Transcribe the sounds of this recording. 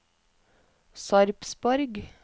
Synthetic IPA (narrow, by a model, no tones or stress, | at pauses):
sɑɾpsbɔɾɡ